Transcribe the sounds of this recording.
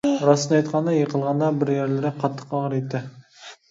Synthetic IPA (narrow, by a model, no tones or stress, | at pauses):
ɾɑsnɑjt̪qʰɑnd̪ɑjeqʰəlˠʁɑnd̪ɑbɪɾjeɾlɪɾɪqʰɑt̪ʰːə̥qɑʁəɾet̪ːɪ